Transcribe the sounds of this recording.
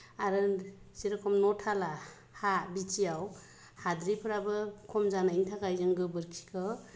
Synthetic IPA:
aɾɯsiɾɯkʰɔmnɔtʰala | habit͡ʃʰijaw | had̪ɾipʰɯɾabɯkʰɔmzanaintʰakajzɯŋɡɯbɯɾkʰi̥kʰɯ

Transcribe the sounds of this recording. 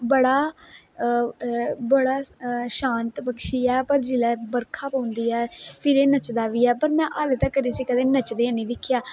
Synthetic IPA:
bəɽaː | bəɽaːʃãːnt̪pəkʃiːɛːpəɾd͡ʒɪlɛːbəɾkʰaːpõːʊ̃nd̪iːɛːpʰɪɾeːnət͡ʃd̪aːʋiːɛːpəɾmɛ̃ːʔaːlət̪aːkəɾiːsiːkəd̪ẽːnət͡ʃd̪eːəniːd̪ɪkʰːjaː

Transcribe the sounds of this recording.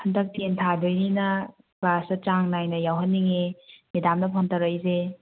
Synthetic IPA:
hɐndɐk̚tentʰadojninɐ | klasɐt͡ʃaŋnajnɐjawɦɐnːiŋenidamnɐpʰantaɾəjze

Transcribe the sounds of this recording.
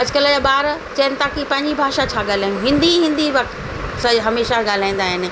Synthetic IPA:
ɦɐd͡ʑkələd͡ʑaːɓaːɾt͡ɕɐənɪ̆t̪aːkipɐ̃ɦɪ̃ɲd͡ʑibʱaːʃat͡ɕʰaːɠaːl̤aːɪnɦɪ̃nd̪iɦĩnd̪iʋɐk̚t̪ | sɐɦɐmeːʃaɡaːl̤aːĩnd̪aːɦɪnɪ̆

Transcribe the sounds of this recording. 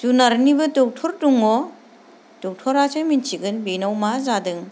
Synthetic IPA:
tunaɾnibɯtɔk̚tʰɔɾtuŋɔ | tɔk̚tʰɔɾasʰɯjmint͡ʃʰiɡɯnbinawmazadɯŋ

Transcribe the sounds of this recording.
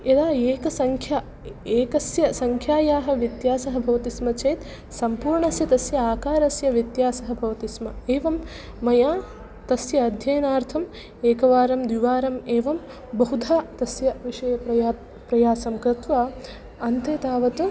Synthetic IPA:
ed̪aːeːkɐsɐŋkʰja | eːkɐsjɐsɐŋkʰjaːjaːɦɐ̆ʋit̪jaːsɐɦɐ̆bʱɐʋɐt̪ismɐt͡ʃeːt̪ | sɐmpuːɾɳɐsjɐt̪ɐsjɐaːkaːɾɐsjɐʋjit̪jaːsɐɦɐ̆bʱɐʋɐt̪ismɐeːʋɐmː | ɐjaː | t̪ɐsjɐːd̪ʱjɐːnaːɾt̪ʰɐm | eːkɐʋaːɾɐmd̪ʋiʋaːɾɐmeːʋɐm | bɐɦud̪ʱaːt̪ɐsjɐʋiʂɐjɐpɐ | pɾɐjaːsɐmkɾɪt̪ʋaː | ɐnt̪eːt̪aːʋɐt̪u

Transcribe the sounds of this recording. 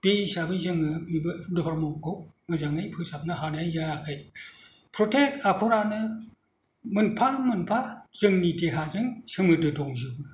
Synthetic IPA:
b̥eisabɯzɯŋɯbibɯdɔpʰaɾmɔŋkomɯzaŋɯjpʰɯsap̚naɦanajaɾakʰɯj | pʰɾɔtʰekapʰɔɾanɯ | mɯnpʰamɯnpʰaz̥ɯŋniteɦazɯŋsɯmɯdɯdɔŋzɯbɯ

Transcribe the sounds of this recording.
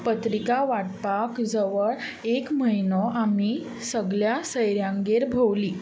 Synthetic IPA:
pət̪ɾikaʋaʈpakd͡zəʋəɭ | ekməɦjnɔʔami | səɡɭjasəjɾjãŋɡeɾbʱəwliː

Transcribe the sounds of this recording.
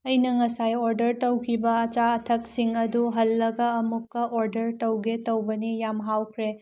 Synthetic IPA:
ɐjnɐŋɐsajoɾdɐɾtɐwkʰibɐɐt͡ʃaɐtʰɐk̚siŋɐduɦɐlːɐɡɐːmukːɐʔoɾdɐɾtɐwɡetɐwbɐnijamɦawkʰɾe

